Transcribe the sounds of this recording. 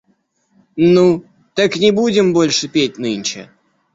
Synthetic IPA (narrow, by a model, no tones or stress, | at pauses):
nu | t̪aknʲɪbudʲɪmbo̞lʲʂɨpʲet̚ʲnɨnʲt͡ɕɪ̰